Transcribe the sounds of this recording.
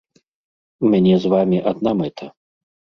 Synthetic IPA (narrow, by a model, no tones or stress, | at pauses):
mʲanʲɛzvamʲiʔad̪̚namɛt̪ʰɐ